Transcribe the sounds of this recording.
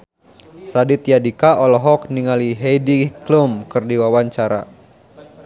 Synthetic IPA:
radit̪jadikaʔɔlɔɦɔkniŋaliɦejdiklumkɨrdiwawaɲt͡ʃaɾa̰

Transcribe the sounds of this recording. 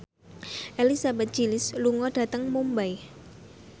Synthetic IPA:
ʔelisabɛt̪̚d͡ʒilɪsluŋɔɖ̥a̤t̪əŋmumbaj

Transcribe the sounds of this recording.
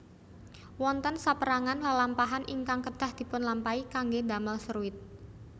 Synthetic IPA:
wɔnt̪ənsapəɾaŋanlalampaɦanʔiŋkaŋkəd̥a̤hd̪̥i̤pʊnlampaikaŋɡed̪a̤malsəɾuɪt̪̚

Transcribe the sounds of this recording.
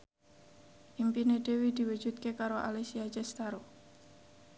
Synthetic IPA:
ʔimpined̪̥e̤wid̪̥i̤wu̥d͡ʒ̥ut̪̚kekaɾoʔa̰lesiad͡ʒɛst̪aɾo

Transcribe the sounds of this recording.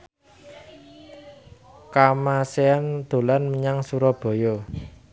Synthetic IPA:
kamaseand̪̥o̤lanməɲaŋsuɾɔb̥ɔ̤jɔ

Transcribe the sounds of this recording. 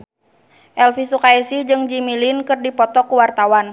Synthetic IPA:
ʔɛlfisukaisid͡ʒɨŋd͡ʒimilinkɨrdipɔt̪ɔkuwart̪awan

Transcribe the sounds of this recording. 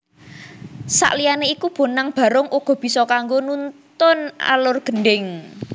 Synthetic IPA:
sa̰ʔlijaneikub̥o̤naŋb̥ä̤ɾʊŋʔuɡ̥ɔ̤b̥i̤sɔkaŋɡonunt̪ʊna̰lʊrɡ̥ə̤ɳɖɪŋ

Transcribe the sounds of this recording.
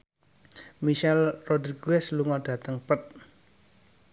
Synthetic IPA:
miʃɛlrod̪ɾiɡ̥oɛsluŋɔɖ̥ä̤t̪əŋpət̪̚

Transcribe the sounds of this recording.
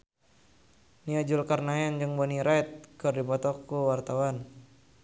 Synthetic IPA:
niad͡ʒulkarnajand͡ʒɨŋbɔniɾat̪̚kɨrdipɔt̪ɔkuwart̪awan

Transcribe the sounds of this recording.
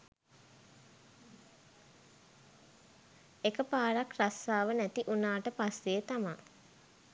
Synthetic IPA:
ekəpaːɾakrasːaːʋənæt̪iʔunaːʈəpasːeːt̪ama

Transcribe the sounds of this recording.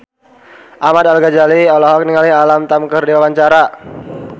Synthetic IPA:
ʔamad̪alɡad͡ʒaliɔlɔɦɔk̚niŋalialamt̪amkərdiwawaɲt͡ʃaɾa

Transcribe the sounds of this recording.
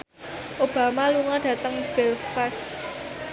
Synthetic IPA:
ʔob̥a̤maluŋaɖ̥ä̤t̪əŋb̥ɛlfɛs

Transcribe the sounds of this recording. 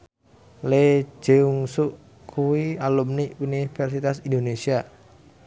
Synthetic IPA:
le̥d͡ʒ̥euŋsuʔ | kʰuwialumniunifɛrsit̪asindonesia

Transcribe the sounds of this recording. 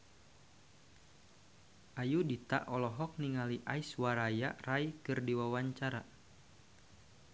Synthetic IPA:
ʔajudit̪a̰ʔɔlɔɦɔk̚niŋaliʔaiswaɾajarajkɨrdiwawaɲt͡ʃaɾa

